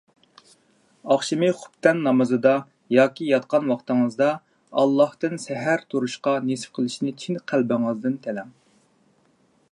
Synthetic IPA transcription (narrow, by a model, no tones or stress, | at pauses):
ɑχʃimɨχʊ̥pt̪ɛnːɑmɨzɨd̪ɑ | jɑːkʲijɑt̪̚qʰɑnwɑχt̪ɨŋɨzd̪ɑ | ɑlˠːɑht̪ɨnsɛɦæɾt̪ʰuɾuʃqɑnesfqʰəlˠɪʃnɪt͡ʃʰinqʰælbɪŋɨzd̪ɨnt̪ʰɛlɛŋ